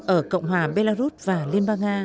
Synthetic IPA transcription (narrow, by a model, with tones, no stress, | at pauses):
ʔəː˧˩kə̰˧˨wŋ͡mɦwaː˨˩ɓe˧laː˧zu˦˥t̚vaː˨˩li˧ənɓaː˧ŋʔaː˧